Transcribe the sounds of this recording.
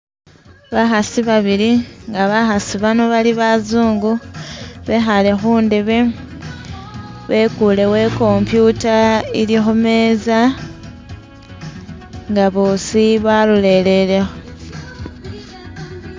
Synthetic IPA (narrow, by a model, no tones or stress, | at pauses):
βaxasiβaβiliŋɡaβaxasiβano̞βaliβazuːŋɡu | βe̞xale̞xuːndeβe | βe̞ːkule̞we̞ko̞mpjutailixume̞za | ŋɡaβoːsiβalule̞ːle̞le̞xo